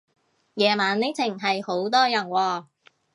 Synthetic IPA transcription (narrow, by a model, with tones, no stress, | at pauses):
jɛː˨maː˨nle˨˥t͡sʰɪ˨˩ŋɦɐ˨jho˨˥wt̪ɔː˥jɐ˨˩nwɔː˧